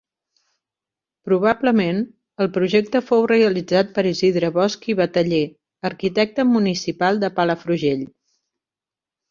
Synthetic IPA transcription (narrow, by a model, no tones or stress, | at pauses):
pɾuβ̞abləmen | əlˠpɾuʒɛk̚t̪əfowreəlid͡zat̪̚pəɾiziðɾəβɔskiβət̪əʎe | əɾkit̪ɛk̚t̪əmunisipalˠd̪əpaləfɾuʒeʎ